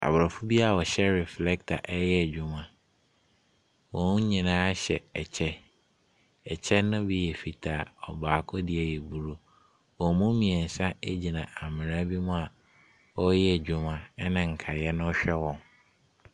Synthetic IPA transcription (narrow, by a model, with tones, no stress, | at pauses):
a̰˨bɾɔ˨fʊ˦bi˦a˨wɔ˨ɕɛ˦ɾɛ˨flɛ˦ktʰa̰˨ʔɛ˦jɛ˦˨d͡ʑᶣʊ˦mã˨ | wɔ̃˨nũ˦ɲĩ˨nãː˦ɕɛ̰˨ɛ˨t͡ɕʰɛ˦ | ɛ˨t͡ɕʰɛ˦nʊ̃˦bi˦jɛ˨fi˨tʰa˨ɔ̰˨baː˨kʰɔ˦di˦ɛ˨jɛ˨bu˨ɾo˦ | wɔ̃˨mʊ̃˦mĩ˨ɛ̃˨n̩˨sã˦e˦d͡ʑi˨nã˨ʔa˨mɪ̃˨ɾã˦bi˦mʊ̃˦a˨ | ɔ˦jɛ˦˨d͡ʑᶣʊ˦mã˨˦nɪ̃˨ŋ̩˨kʰa˨jɛ˦nʊ̃˦ɔ˦ɕᶣɛ˦wɔ̃˨n